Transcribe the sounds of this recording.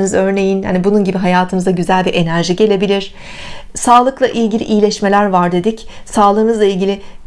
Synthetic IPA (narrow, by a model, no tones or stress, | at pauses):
nɯzø̞ɾne̞jinha̰nibununɟibiɦajaːt̪ʰɯmɯzaɟyzælʲbiʔe̞næɾʒiɟe̞lʲe̞bilʲiɾ̥ | saːlˠɯklˠaʔilʲɟilʲḭʔijlʲɛʃme̞lʲæɾvaɾd̪e̞d̪ic | saːlˠɯːnɯzlˠailʲɟilʲɪ